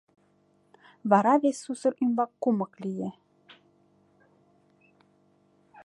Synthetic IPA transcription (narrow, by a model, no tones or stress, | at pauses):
βɑɾɑβesusɤ̆ɾʔymbɑkːumɤ̆klije